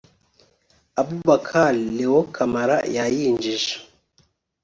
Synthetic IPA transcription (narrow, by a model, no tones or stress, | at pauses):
abuβakʰalewokʰamaɾa̰jajiːɲd͡ʒiʒḁ